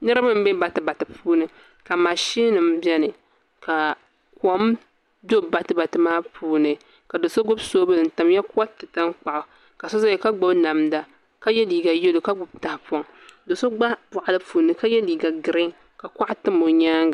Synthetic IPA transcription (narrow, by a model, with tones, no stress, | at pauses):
nɨ˦ɾɨ˦ba˦m̩˦bɛ˦ba˨tɨ˨ba˨tɨ˨pʰuː˦nɨ˨ | ka˨ma˨ʃi˦nɨ˨m̩˦bjɛ˦nɨ˨ | ka˨ | ko˨m˦ | do˦ba˨tɨ˦ba˨tɨ˨maː˦pʰuː˦nɨ˨ | ka˨do˨so˦ɡʊ˦bsoː˦bɨ˦˨n̩˨ta˨mja˦ka˦tɨ˨ta˦ŋk͡pa˨ʔʊ˨ | ka˨sɔ˦za˦ɛ˨ka˦ɡ͡bʊ˦bna˨mda˨ | ka˦jɛ˦liː˨ɡa˨je˦lo˨ka˦ɡʊ˨bta˨hpɔ˨ŋ | do˨so˦ɡ͡ba˦pʊ˨ʔa˨lɨ˦puː˨nɨ˨ka˦jɛ˦liː˨ɡa˨ɡɨ˨ɾɪ˦ŋ | ka˨ka˦ʔa˦tɨ˦mo˨ɲaː˦ŋɡa˨